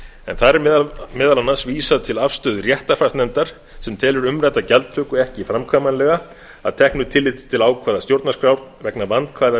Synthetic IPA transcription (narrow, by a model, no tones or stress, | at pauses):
ɛ̰nθaɾɛɾmɛːðalanːasviːsaðt̪ʰɪlafst̪ʏːðrjɛht̪afasnɛmt̪aɾ̥ | sɛmt̪ʰɛːlʏɾʏmrajt̪acɛlt̪ʰːœːkʏɛhcɪfɾamkʰvaːmanlɛɣa | aðt̪ʰɛhknʏt̪ʰɪlːɪt̪t̪ʰɪlaːwkʰvaːðast̪jowɾt̪naskɾawɾvɛknavant̪kʰvaːjða